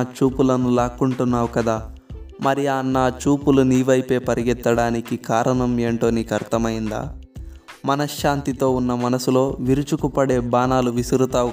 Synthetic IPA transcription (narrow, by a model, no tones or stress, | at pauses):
t͡ʃuːpulɐnulaːkuɳʈunːaːwukɐd̪aːmɐɾianːaːt͡ʃuːpuluniːʋɐjpe̞ːpɐɾiɡɛt̪ːɐɽaːnikikaːɾɐɳɐme̞ːɳʈo̞ːnikɐɾt̪ɐmɐjind̪a̰ː | mɐnɐʃaːnt̪it̪o̞ːunːɐmɐnɐsulo̞ːʋiɾut͡ʃukupɐɽe̞ːbaːnaːluʋisiɾut̪aː